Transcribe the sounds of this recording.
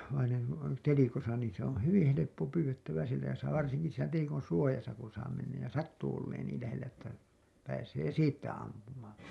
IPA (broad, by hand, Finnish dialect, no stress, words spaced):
ʋɑineŋ ku on telikosɑ niːn se on̞ hyʋin helepːo pyːwetːæʋæ sielæ jɑ sɑː ʋɑrsiŋki siːnæ telikon̞ suojɑsɑ kun̞ sɑː menːæj jɑ sɑtːuː olːeːn niːl læhelːæ etːæ pæːseː siːtːæ ɑmpumɑːn̞